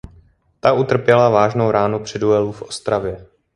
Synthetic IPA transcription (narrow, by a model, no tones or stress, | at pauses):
t̪aʔut̪r̩pjɛlavaːʒnowɾaːnupr̥ɛduɛlufʔost̪ɾavjɛ